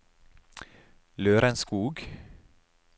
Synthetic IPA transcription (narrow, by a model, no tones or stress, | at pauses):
løːɾɛnskuːɡ